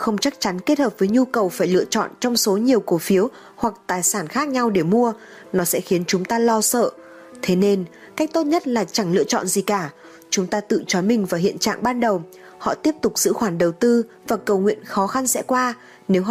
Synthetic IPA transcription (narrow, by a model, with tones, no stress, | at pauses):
xə˧wŋ͡mt͡ɕa˦˥k̚t͡ɕa˨˦nke˦˥t̚həː˨˩p̚vəː˨˦jɲu˧kə˨˩wfaː˧˩jlɨ̰˧˨ət͡ɕɔ̰˧˨nt͡ɕɔ˧wŋ͡mso˨˦ɲi˨˩əwko˨˦fi˨˦əw | hwa˨˩k̚t̪aː˨˩jsaː˧˩nxaː˦˥k̚ɲa˧wɗe˧˩mu˧ə | nɔ˨˦sɛ̰˧˥xi˨˦ənt͡ɕʊ˨˦ŋ͡mt̪aː˧lɔ˧sə̰ː˧˨ | t̪ʰe˨˦ne˧n | ka˦˥jk̟̚t̪o˦˥t̚ɲə˦˥t̚laː˨˩t͡ɕa˧˩ŋlɨ̰˧˨ət͡ɕɔ̰˧˨nzi˨˩kaː˧˩ | t͡ɕʊ˨˦ŋ͡mt̪aː˧t̪ɨ̰˧˨t͡ɕɔ˨˦mï˨˩ŋ̟vaː˨˩ɦḭ˧˨ənt͡ɕa̰ː˧˨ŋɓaː˧nɗə˨˩w | hɔ̰˧˨t̪i˦˥əp̚t̪ʊ˨˩k͡p̚z̥ɨ̰˧˥xwaː˧˩nɗə˨˩wt̪ɨ˧ | vaː˨˩kə˨˩wŋwḭ˧˨ənxɔ˨˦xa˧nsɛ̰˧˥kwaː˧ | ne˨˦wɦ